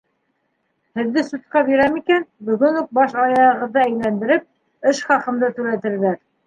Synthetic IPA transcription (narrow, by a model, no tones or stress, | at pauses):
hɘ̆ðːɘsut̪̚qɑbiɾæmikænbɵ̆ɣɵnuq̚bɑʃɑjɑɤ̆ʁɤ̆ðːɤæjlænd̪ɘ̆ɾɘp̚ | ɘʃχɑqɤ̆md̪ɤt̪ʉ̆ɾæt̪ɘ̆ɾðæɾ